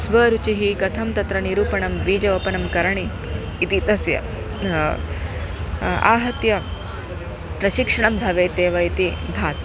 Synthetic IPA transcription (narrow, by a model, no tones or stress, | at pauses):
sʋɐːɾut͡ʃiɦikɐt̪ʰɐmt̪ɐt̪ɾɐniɾuːpɐɳɐmʋiːd͡ʒɐʋɐpɐnɐmkɐɾɐɳiː | t̪it̪ɐsjɐ̰ | a̰ːɦɐt̪jɐ | pɾɐʃikʂɐɳɐmbʱɐʋeːt̪eːʋɐit̪ibʱaːt̪